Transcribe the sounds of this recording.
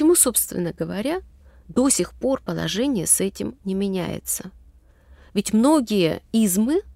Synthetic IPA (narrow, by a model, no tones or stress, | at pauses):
t͡ɕɪmuso̞pst̪vʲɪ̰nːəɡəvɐɾʲa | d̪o̞sʲɪxpo̞rpəlˠɐ̰ʐɛnʲɪjəsɛtʲɪmnʲɪmʲɪnʲæ̰jɪ̰t̪sə | vʲɪtʲmno̞ɡʲɪjə̰izmɨ